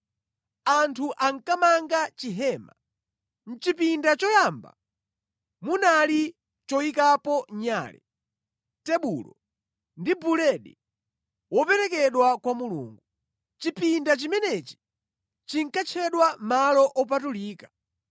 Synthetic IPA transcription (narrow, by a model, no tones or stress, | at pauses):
antʰuʔaŋ̩kamaŋɡat͡ʃiɦɛːma | n̩t͡ʃipindat͡ʃɔjaːmba̰ | munali | t͡ʃɔikapɔɲa̰ːlɛ̰ | tɛɓulɔ | ndibulɛɗḭ | wɔpɛɾɛkɛɗwakwamulṵːŋɡu | t͡ʃipindat͡ʃimɛnɛt͡ʃi̥ | t͡ʃiŋ̩kat͡ʃʰɛɗwamalɔʔɔpatuliːkḁ